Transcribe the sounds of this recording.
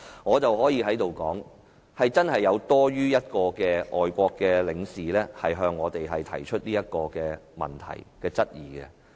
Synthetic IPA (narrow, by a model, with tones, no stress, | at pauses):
ŋɔː˨˧t͡sɐ˨whɔː˨˥jiː˨˧ɦɐ˨˥jt̪o˨wkɔː˨˥ŋ | hɐ˨jt͡sɐ˥nhɐ˨jːɐ˨˧wt̪ɔː˥ɥyː˥jɐ˥t̚kɔː˧kɛː˧ʔɔː˨jkʷɔː˧kːɛː˧lɪ˨˧ŋsiː˨lɛː˥hɐ˨jɦœː˧ŋːɔː˨˧t̪e˨jɦɐ˨jt̪ʰɐ̰˨˩jt͡ʃʰɵ˥t̚niː˥jɐ˥t̚kɔː˧kɛː˧mɐ̰˨nt̪ʰɐ̰˨˩jkɛː˧t͡sɐ˥t̚jiː˨˩kɛ̰˧